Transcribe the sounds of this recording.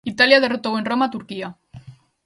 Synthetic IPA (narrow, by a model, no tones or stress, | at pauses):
it̪aljað̞e̞rot̪awe̞nro̞mat̪uɾkia